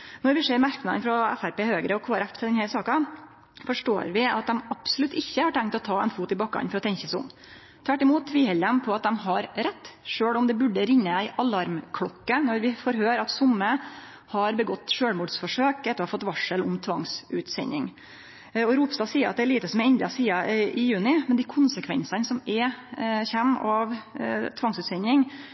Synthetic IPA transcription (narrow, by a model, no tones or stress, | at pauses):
nɔɾʋɪʂeːɾmæɾknɑd̪ənfɾɔɛfæɾpeːhøːɡɾəɔkʰoːæɾɛft̪ʰɪld̪ɛnhæɾsɑːkɑ | fɔʂʈo̰ːɾʋɪɑt̪̚d̪ɛmɑpsɔlʉt̪ʰːɪçːəhɑʈʰɛŋkt̪ɔt̪ʰɑːɛnfuːt̪ɪbɑkːɑ̰nfɔɾɔt̪ʰɛɲçəsʊ̰m | t̪ʰʋæʈːɪmuːt̪ːʰʋiːhɛləmpʰɔɑt̪̚d̪ɛmɦɑɾɾɛt̪ːʂøːɽɔmd̪ɛbʉɖːəɾɪɲːəæɪʔɑlɑɾmkʰɽɔkːənɔɾʋɪfɔːɾɦøːɾɑt̪sʊmːə | hɑɾbəɡɔt̪ːʂøːɽmuːɖ̪sfɔʂøːkɛt̪ːɾhɑfɔt̪ːʋɑʂəlʊmt̪ʰʋɑŋsʉːt̪sɛ̰ɲːɪ̰ŋ | ɔɾuːpst̪ɑːsiːəɾʔɑ̰t̪̚d̪ɛæɭiːt̪əsɔmɛɛnd̪ɑsiːɑʔɪjʉːnɪmɛnd̪ɪːkʰʊnsəkʰʋɛ̰nsɑnsɔmɛçɛmːɑʋt̪ʰʋɑŋsʉːt̪sɛnɪŋ